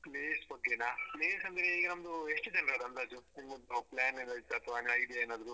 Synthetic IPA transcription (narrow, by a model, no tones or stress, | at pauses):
kleːspɐkenaːkleːsɐnd̪ɾeiːɡɐnɐmɐd̪ueʂʈɨd͡ʒɐnɾɐd̪ɐnt̪aːd͡ʒunimɐd̪ɐplaːnːend̪ɐit̪ːeɐt̪ʰʋaːneɐjiɖijaeːnaːd̪ɐɾu